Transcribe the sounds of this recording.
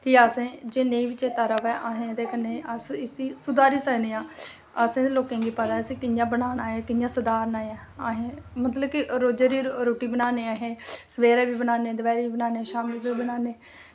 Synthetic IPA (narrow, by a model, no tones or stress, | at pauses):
kiaːsẽːd͡ʒeːneĩːʋɪt͡ʃeːt̪aːɾəʋɛːʔaːɦẽːd̪eːkənːeːəsɪsiːsʊd̪aːɾiːsəɡneːãː | aːsẽːd̪eloːkẽːɡiːpəd̪aːsẽːkɪnjãːbənaːnaːɛːkɪnjãːsəd̪aːɾnaːɛː | aːɦẽːmət̪ləb̚kiɾoːd͡ʒeːɾiːɾoːʈiːbənaːneːaːɦẽːsəʋeːɾɛːʋiːbənaːneːd̪əbaːɾiːiːbənaːneːʃaːmlbiːbənaːneː